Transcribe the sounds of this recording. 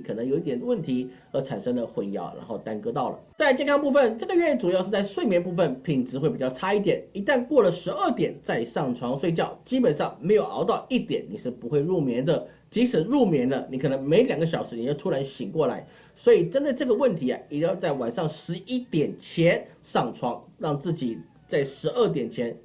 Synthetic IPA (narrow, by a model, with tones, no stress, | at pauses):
i˧kʰɤ˨˩nɤ˧˥ŋjo˨˧ʊi˥˩jɛ˨˩nd̪ə˦wə˥˩nt̪ʰi˧˥ | ə˧˥ʈ͡ʂʰa˨˩nʂɤ˥ŋd̪ə˨xwe˧˥jɑ̰˧˥ʊɻa̰˧˥nxo˥˩ʊt̪a˥nkɤ˥t̪ɑ˥˩ʊlə̰˩t͡sa˥˧ɪt͡ɕjɛ˥˧nkʰɑ˥ŋpu˥˧˩fə˨nʈ͡ʂɤ˥˩ɡə˩ɥɛ˥˧˥ʈ͡ʂu˨˩jɑ˥˧ʂɻ̩˥˧t͡sa˥˧ɪʂwe˥˩ɪmjɛ˧˥npu˥˧fə˥˩npʰi˨˩ŋt͡sɻ̩˧˥xwe˥˩ɪpi˨˩t͡ɕjɑ˥˩ʊʈ͡ʂʰa˥i˥˩t̪jɛ˨˩˦ni˧˥t̪a˥˧nkwɔ˥˩lə˩ʂɻ̩˧˥ə˥˩t̪jɛ˨˩nt͡sa˥˧ɪʂɑ˥˩ŋʈ͡ʂʰwɑ˧˥ŋswe˥˧ɪt͡ɕjɑ˥˩ʊt͡ɕi˥pə˨˩nʂɑ˥˩ŋme˧˥ɪjo˨˩ʊʔɑ̰˧˥ʊt̪ɑ˥˧ʊi˥˩t̪jɛ˨˩˦nni˨˩ʂɻ̩˥˩pu˧˥xwe˥˧ɪɻu˥˩mjɛ˧˥nd̪ə˨ | t͡ɕi˧˥ʂɻ̩˨˩ɻu˥˩mjɛ˧˥nlə˧ni˧˥kʰɤ˨˩nə˧˥ŋme˧˥ɪ˧ljɑ˨˩ŋɡə˦ɕ̬jɑ˨˩ʊʂɻ̩˧˥ni˨˩jo˥˧ʊt̪ʰu˥ɻa˧˥nɕi˨˩ŋkwɔ˥˩la̰˧˥ɪ | swɔ˧˥i˨˩ʈ͡ʂə˥nd̪ə˧ʈ͡ʂɤ˥˩ɡə˩wə˥˩nt̪ʰi˧˥a̰˧jɛ˨˩jɑ˥˧ʊt͡sa˥˩ɪwa˨˩nʂɑ˥˩ŋʂɻ̩˧˥i˥t̪jɛ˨˩nt͡ɕʰjɛ˧˥n | ʂɑ˥˩ŋʈ͡ʂʰwɑ˧˥ŋɻɑ˥˧ŋt͡sɹ̩˥˩t͡ɕi˨˩ | t͡sa˥˩ɪʂɻ̩˧˥ə˥˩t̪̬jɛ˨˩nt͡ɕʰjɛ˧˥n